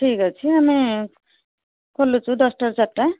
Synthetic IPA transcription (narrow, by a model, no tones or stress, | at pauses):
ʈʰikʌt͡sʰiami | kʌlːut͡sʰud̪ʌsʈʌɾt͡saʈʈːa